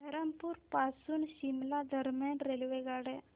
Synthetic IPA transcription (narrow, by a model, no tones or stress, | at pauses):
d̪ʱəɾəmpuːɾpasuːnɕimlad̪ʱəɾmjanɾelʋeɡaɽe